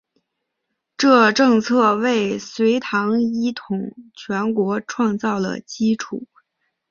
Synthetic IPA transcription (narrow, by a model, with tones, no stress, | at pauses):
ʈ͡ʂɤ˥˧ʈ͡ʂɤ˥˧ŋt͡sʰɤ˥˧we˥˩ɪswe˧˥ɪt̪ʰɑ˧˥ŋi˥t̪ʰʊ˨˩˦ŋt͡ɕʰɥɛ˧˥nkwɔ˧˥ʈ͡ʂʰwɑ˥˧ŋt͡sɑ˥˩ʊd̪ə̰˩t͡ɕi˥ʈ͡ʂʰu˨˩˦